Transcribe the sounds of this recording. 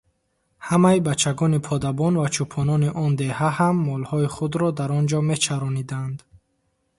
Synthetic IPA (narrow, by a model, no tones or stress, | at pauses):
hamaibat͡ʃʰːaɡɔnipʰɔd̪abɔnvat͡ʃʰupʰɔnɔniʔɔnd̪e̞hahamːɔlhɔiχud̪ɾɔd̪aɾɔnd͡ʒɔme̞t͡ʃʰaɾɔnid̪and̪